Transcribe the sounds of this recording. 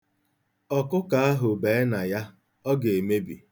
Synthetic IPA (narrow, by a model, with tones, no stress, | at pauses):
ɔ˨kʊ˦ka˨a˦ɦʊ˨beː˨˦na˨ja˦ | ɔ˦ɡe˨e˨me˦bḭ˨